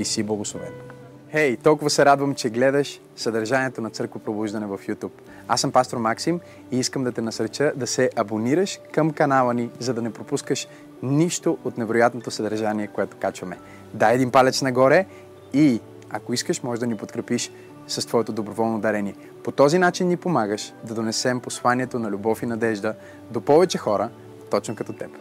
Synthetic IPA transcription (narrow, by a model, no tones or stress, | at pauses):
isiblˠɐɡoslˠovɛ̰t̪ | hɛjt̪ɔlˠkʊvɐsɛɾad̪vəmt͡ʃɛɡlɛd̪əʃ | sɐd̪ɐɾʒaniɛt̪onɐt̪sɤɾkvopɾobuʒd̪ɐnɛvɐfjut̪up | asəmpast̪oɾmaksim | iiskəmd̪ɐt̪ɛnɐsəɾt͡ʃəd̪ɐsɛʔɐboniɾəʃkəmkɐnalˠənizɐd̪ɐnɛpɾopuskəʃ | niʃt̪oʔot̪nɛvɛɾojat̪not̪osɐd̪ɐɾʒaniɛkoɛt̪o̥kat͡ʃvɐmɛ | d̪aɛd̪impalʲɛt͡ʃ̪nɐɡɔɾɛ | i | ɐkoiskəʃmɔʒɛd̪ɐnipot̪kɾɛpiʃ | sɐst̪vɔɛt̪od̪obɾovɔlˠnod̪ɛɾɛniɛ | pot̪ɔzinat͡ʃinːipomaɡəʃd̪ɐd̪onɛsɛmposlˠaniɛt̪onɐlʲubɔfinɐd̪ɛʒd̪ə | d̪opɔvɛt͡ʃɛxɔɾə | t̪ɔt͡ʃnokɐt̪ɔt̪ɛp